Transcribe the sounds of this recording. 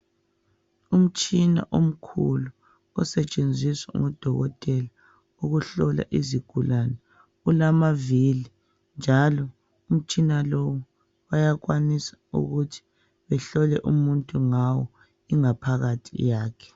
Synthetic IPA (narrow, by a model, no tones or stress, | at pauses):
um̩t͡ʃʼina̰ʔom̩kʰṵlu | ɔsɛt͡ʃʼend͡zʱiswa̰ŋɔd̥ʱɔɣɔtʼɛla | uɣuɬɔla̰ʔiziɡ̥ʱulanɛ | ulamavili | nd͡ʒʱalɔ | um̩t͡ʃʼinalɔwɔ | wajaɣwanisḁṵɣutʰi̥ | βɛɬɔlɛʔumuntʼuŋawɔ | iŋapʰaɣatʰḭjaːkʰɛ̥